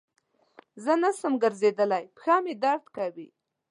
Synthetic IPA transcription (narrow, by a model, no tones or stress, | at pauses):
zənasəmɡəɾzed̪əlajpxɑmed̪aɾt̪kawi